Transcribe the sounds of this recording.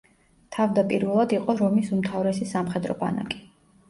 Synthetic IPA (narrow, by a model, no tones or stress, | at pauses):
t̪ʰavd̪apʼiɾvɛlˠad̪iqʼɔɾɔmisumt̪ʰavɾɛsisamχɛd̪ɾɔ̰pʼa̰na̰kʼi̥